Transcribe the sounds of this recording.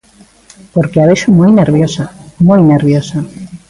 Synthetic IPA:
poɾkeaβeʃomojneɾβjosamojneɾβjosa

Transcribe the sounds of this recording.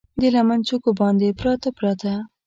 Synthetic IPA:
d̪elamant͡ʃukobɑnd̪epɾɑt̪apɾɑt̪a

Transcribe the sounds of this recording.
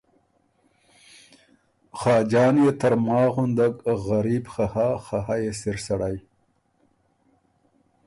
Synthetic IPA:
xɑːd͡ʒɑːnjet̪aɾmɑːɣʊnd̪aɡɣaɾibxahaxahajesɪɾsaɽaj

